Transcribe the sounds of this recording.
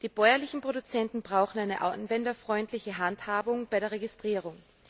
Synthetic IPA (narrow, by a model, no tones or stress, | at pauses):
d̥iːb̥ɔʏɐlɪçn̩pʁ̥oɾʊt͡sɛntn̩bʁaʊxn̩aɪnəʔa̰nvɛndɐfʁ̥ɔʏntlɪçəɦanthaːbʊŋb̥aɪɾeːɐʁeɡɪstʁ̥iːʁʊŋ